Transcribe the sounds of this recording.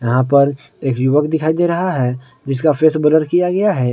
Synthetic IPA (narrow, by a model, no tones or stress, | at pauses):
jɐɦãpɐɾ | eːkjʊʋəkd̪ɪkʰaːid̪eːɾɐɦaɦɛ | d͡ʒɪskafʰeːsbələɾkijaɡɐjaɦɛː